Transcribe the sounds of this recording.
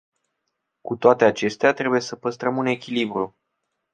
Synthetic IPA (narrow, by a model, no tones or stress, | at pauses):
kut̪oat̪e̞at͡ʃe̞st̪eat̪ɾe̞buje̞səpəst̪ɾəmune̞kʲilibɾu